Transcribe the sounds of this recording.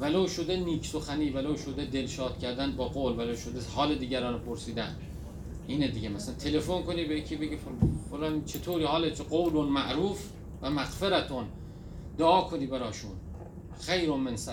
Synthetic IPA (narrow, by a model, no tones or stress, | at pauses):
væloːwʃod̪eniːkʰsoxæniːvæloːwʃod̪ed̪elʃɒːt̪cʰʲæɾd̪æn̚bɒːɡoːlvælowʃod̪eshɒːled̪iːɟæɾɒːnpʰoɾsiːd̪æn | ʔiːned̪iɟemæsænt̪ʰe̞lefonkoniːbejecʰibeɟioxoɾɑːmit͡ʃʰet̪ʰoːɾiːhɒːlet͡ʃɡowlonmæʔɾuːf | væmæɣfeɾæt̪ʰon | d̪oʔɒːkʰoniːbæɾɒːʃun | xejɾonmensæ